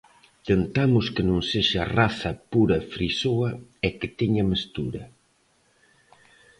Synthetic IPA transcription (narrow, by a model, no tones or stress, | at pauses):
t̪ent̪amʊskenõŋseʃaːraθɐpuɾɐfɾisoɐɛkɪt̪eɲɐmest̪uɾɐ